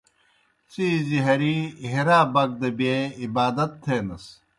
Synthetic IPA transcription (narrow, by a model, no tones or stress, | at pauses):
t͡siziɦɐɾiɦiɾaːbɐɡ̚d̪ɐbeibaːd̪ɐt̪ːʰeːnɐs